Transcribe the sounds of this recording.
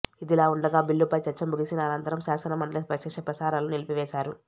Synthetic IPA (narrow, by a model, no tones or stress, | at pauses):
id̪ilaːuɳɖɐɡaːbilːupɐjt͡ʃɐt͡ʃːɐmbuɡisinɐːnɐnt̪ɐɾɐmʃaːsɐnɐmɐɳɖɐlespɾɐkʂɛːʂɐpɾɐsaːɾaːlunilipiʋɛːʃaːɾu